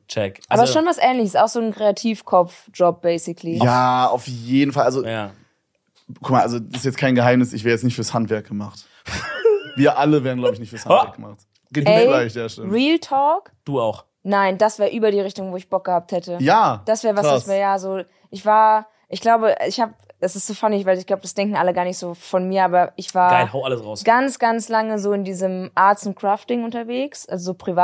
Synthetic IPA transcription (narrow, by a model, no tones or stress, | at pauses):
t͡ʃɛkʔaːbɐɪsʃoːnvasʔɛːnlɪçəsaʊxz̥oːnkʁ̥eatʰiːfkʰɔp͡fd͡ʒ̥ɔp̚b̥ɛɪsɪkʰlijaːaʊfjeːdn̩falʔazo | kʰʊkmaalzodsɪstjɛt͡skʰaɪnɡəɦaɪmnɪsɪçv̥eːʁjɛt͡snɪçtfyːɐshantv̥ɛɐk̚ɡ̥əmaχt | viːɐʔaləveːɐʁənɡlabɪçnɪçtfyːɐshanvɛɐkɡ̥əma̰χt | ɡ̥eːmɛiɡlaɪçd̥eɐʃɛʁiːltʰɔːkd̥uːaʊx | naɪnd̥asv̥eːɐʔyːbɐɾiːʁɪçtʊŋvoːɪçb̥ɔk̚ɡ̥əhaːp̚thɛtəjaːd̥asv̥ɛːɐvḁasveːɐjaːzoː | ʔɪçv̥aːɐ | ʔɪçɡ̥laʊbəʔɪçhaːpɛsɪstz̥oːfanɪçvaɪlɪçɡ̥laʊbəd̥asd̥ɛŋkŋ̩ʔaləɡaːɐnɪçtz̥oːfɔnmiːɐʔaːbɐʔɪçv̥aːɐahaʊʔaləsʁaʊsɡ̥ant͡sɡ̥ant͡slaŋəzoːɪndiːzəmʔaɐttʊnkʁ̥aːftɪŋʔʊntɐveːksʔalzozoːpʁ̥iva